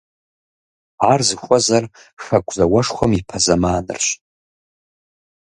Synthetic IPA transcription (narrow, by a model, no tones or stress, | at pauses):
arzɨxʷʼazar | xakʷʰʼzawaʂχʷamipʰazamaːnɨ̰rʃʷʼ